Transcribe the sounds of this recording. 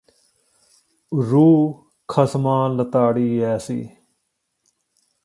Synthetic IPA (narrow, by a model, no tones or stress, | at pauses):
ɾuː | kʰəsmãːlət̪aːɽiːɛːsḭː